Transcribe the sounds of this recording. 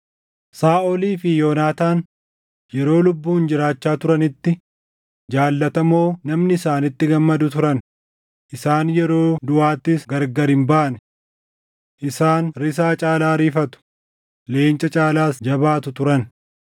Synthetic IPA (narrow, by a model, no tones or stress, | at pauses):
saːʔɔliːfɪjoːnaːt̪aːn | jɛɾo̞ːlʊbːuːnd͡ʒɪɾaːt͡ʃːaːt̪ʊɾɐnɪt̪ːɪ | d͡ʒaːlːɐt̪ɐmo̞ːnɐmnɪɪsaːnɪt̪ːɪɡɐmːɐd̪ʊt̪ʊɾɐn | ʔɪsaːnjɛɾo̞ːd̪ʊaːt̪ːɪsɡɐɾɡɐɾɪmbaːnɛ | ʔɪsaːnɾɪs̬aːt͡ʃʼaːlaːɾiːfɐt̪ʊ̥ | le̞ːnt͡ʃʼɐt͡ʃʼaːlaːsd͡ʒɐbaːt̪ʊt̪ʊɾɐn